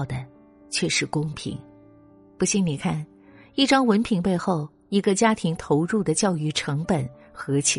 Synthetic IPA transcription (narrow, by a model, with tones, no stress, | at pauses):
ʊd̪ə˩ | t͡ɕʰɥɛ˥˩ʂɻ̩˥˧kʊ˥ŋpʰḭ˧˥ŋ | pu˧˥ɕi˧˥ŋni˨˩kʰa˥˩n | i˥˩ʈ͡ʂɑ˥ŋwə˧˥npʰi˧˥ŋpe˥˧ɪxo˥˩ʊ | i˧˥ɡə˧t͡ɕja˥t̪ʰi˧˥ŋt̪ʰo˧˥ʊɻu˥˩d̪ə˩t͡ɕjɑ˥˧ʊy˥˩ʈ͡ʂʰɤ˧˥ŋpə˨˩n | xɤ˧˥t͡ɕʰ